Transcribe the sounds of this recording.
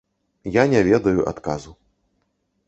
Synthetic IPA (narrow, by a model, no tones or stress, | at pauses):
janʲɛvʲɛd̪ɐjuʔa̰t̪kazu